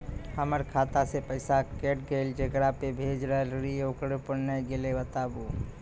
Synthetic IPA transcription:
həməɾkʰat̪asepəɪsakeʈɡəɪld͡ʒəkɾapebʱed͡ʒɾəɦəlɾieokɾepəɾnajɡelebət̪abu

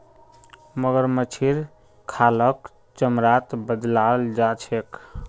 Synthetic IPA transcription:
məɡəɾmət͡ʃʰiɾ | kʰalək | t͡ʃəmɾat̪bəd̪lald͡ʒat͡ʃʰek

